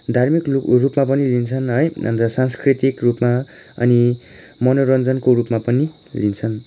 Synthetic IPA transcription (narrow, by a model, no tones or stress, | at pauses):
d̪ʱarmikrupmap̬ʌnilint͡sʰʌnɦʌjʌ̰nt̪ʌsãnskrit̪ikrupma | ʌ̰ni | mʌnoɾʌnd͡zʌnkoɾupmapʌni | lint͡sʰʌn